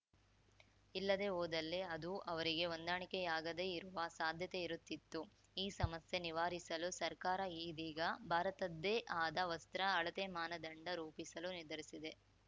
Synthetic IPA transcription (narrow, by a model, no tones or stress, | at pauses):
ilːɐd̪e̞oːd̪ɐlːe̞ɐd̪uʔɐʋɐɾiɡe̞ond̪aːɳikɛjaːɡɐd̪e̞iɾuʋɐsaːd̪ʱjɐt̪e̞iɾut̪ːit̪ːu | iːsɐmɐsje̞niʋaːɾisɐlusɐɾkaːɾɐiːd̪iːɡɐbʱaːɾɐt̪ɐd̪ːeːʔaːd̪ɐʋɐst̪ɾɐːɭɐt̪emaːnɐd̪ɐɳɖɐɾuːpisɐlunid̪ɐɾisid̪e̞